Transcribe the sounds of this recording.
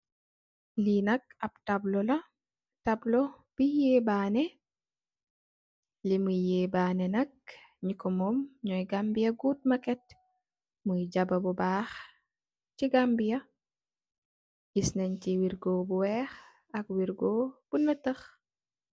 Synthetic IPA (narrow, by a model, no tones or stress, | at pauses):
linɐk̚ɐptablɔlɐ | tablɔ | b̥ijebaːnɛ | limujjeːbaːnɛnɐk̚ | ɲikːɔmɔmɲɔjɡambijɐɡut̚mɐkɛt̚ | mujɟabɐbubaːx | ciɡambijɐ | ʔisnɐɲt͡ʃiwiɾɡɔbuwɛx | ɐk̚wiɾɡɔːb̥unɐtəx